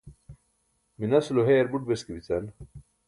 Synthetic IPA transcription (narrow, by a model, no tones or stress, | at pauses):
minɐsuloɦeːɾbuʈ̚beskibit͡sɐn